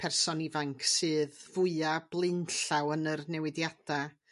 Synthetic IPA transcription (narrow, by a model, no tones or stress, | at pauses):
pʰɛrsɔnivaŋkʰsɨːðvʊɨab̥lˠɪnɬawənərnɛwɪdjad̥a